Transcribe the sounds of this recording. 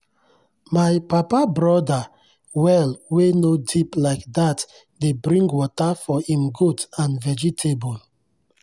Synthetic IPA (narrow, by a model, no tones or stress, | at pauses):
maɪpapabɹɔda | wɛlwenodiplaɪkdat | debɹĩŋɡwɔtafɔhĩmɡudãnvɛd͡ʒitʰebɔl